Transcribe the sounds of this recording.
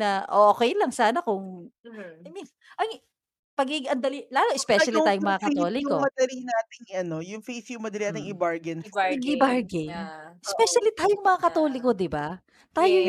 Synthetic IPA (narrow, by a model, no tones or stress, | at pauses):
nɐʔoʔokɛjlɐŋsaːnɐkʊŋ | mi | ʔɐŋ | pɐɡiɡɪŋʔɐnd̪ɐlilaːloʔɛspɛʃɐlit̪aːjʊŋmɐŋakɐt̪o̞ːlɪkomɐd̪ɐɾinaːt̪ɪŋɐno̞jʊŋfejθjʊŋmɐd̪ɐɾinat̪ɪŋɪbaɹɡɛnɪbaɹɡɛnʔɛspɛʃɐlit̪aːjoŋmɐŋakɐt̪o̞ːlɪkːo̞d̪ɪba | t̪aːjo